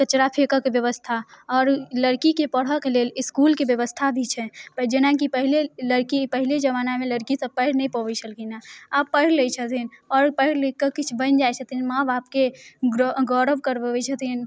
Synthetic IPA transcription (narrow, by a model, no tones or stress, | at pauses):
kət͡ʃɾapʰekəkebjəʋəst̪ʰaɔːɾləɽkikepəɽ̤əkeleliskulkebjəʋəst̪ʰad̪ʱit͡ʃʰɛpəd͡ʒenakipəɦileləɾkipəɦiled͡ʒəʋaːnameləɾkisəbpəɪɽnɛipəbət͡ʃʰəlkinaapːəɪɾlejt͡ʃʰət̪ʰinɔɾpəɪɽlekːəkːit͡ʃʰbənd͡ʒajt͡ʃʰət̪inmãbap̚ke | ɡɔɾəbkəɾbəbɛt͡ʃʰət̪in